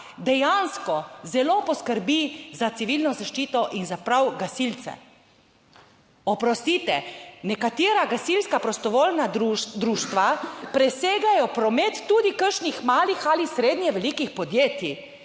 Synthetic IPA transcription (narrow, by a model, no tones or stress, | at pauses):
d̪ɛjanskɔzɛloːpɔskəɾbizat̪siʋilnɔzaʃt͡ʃiːt̪ɔʔinzapɾawɡasilt̪sɛ̰ | ɔpɾɔst̪it̪ɛnɛkat̪iːɾaɡasilskapɾɔst̪ɔʋoːlnad̪ɾuːʃt̪ʋapɾɛseːɡajɔpɾɔmet̪ːud̪ikəɾʃnixmaːlixalisɾeːd̪nʲjɛʋɛlikixpɔd̪jeːt̪ji